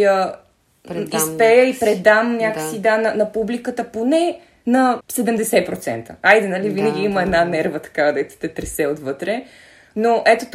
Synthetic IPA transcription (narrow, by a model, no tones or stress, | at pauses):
ə | isspɛjəipɾɛd̪amnʲakə̥sid̪anɐnɐpublikət̪əponɛ | nɐsɛd̪əmd̪ɛsɛpɾot̪sɛ̰nt̪əajd̪ɛnəlivinɛɡ̟iiməɛd̪nanɛɾvət̪ɐ̥kad̪ɛt̪ɛ̥t̪ɛt̪ɾɛsɛot̪vɤt̪ɾɛ | noʔɛt̪ot̪